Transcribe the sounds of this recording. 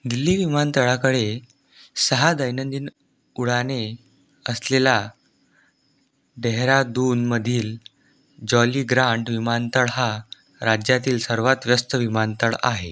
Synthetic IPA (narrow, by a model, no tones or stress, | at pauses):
ɡilːiːʋimant̪əɭakəɽe | səɦad̪əjnənd̪iːn | uɽane | əslela | ɖeɦɾad̪unməd̪ʱiːl | d͡ʑɔliːɡɾãɳʈʋimant̪əɭɦa | ɾad͡ʑjat̪iːlsəɾʋat̪ʋjəst̪əʋimant̪əɭa̰ɦe